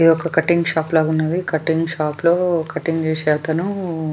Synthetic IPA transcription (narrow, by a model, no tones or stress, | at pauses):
ijɔkːɐkɐʈːiŋɡʃaːplaːɡunːɐd̪ikɐʈːiŋɡʃaːploːkɐʈːiŋɡt͡ʃeːsɛɐt̪ɐnu